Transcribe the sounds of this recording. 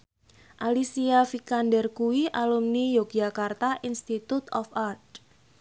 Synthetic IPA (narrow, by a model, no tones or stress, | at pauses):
ʔalisiafikandɛrkuwiʔalumnijok̚d͡ʒakart̪aʔinst̪it̪ut̪ɔ̰fart